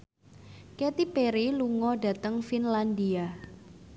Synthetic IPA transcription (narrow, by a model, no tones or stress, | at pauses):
ket̪ipeɾiluŋɔɖä̤t̪əŋfinland̪ia